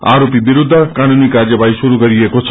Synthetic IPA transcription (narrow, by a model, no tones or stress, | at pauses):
a̰ɾopibiɾud̪ʱːəkanunikaɾd͡ʒjəbʱajʃuɾukəɾiekot͡ʃʰ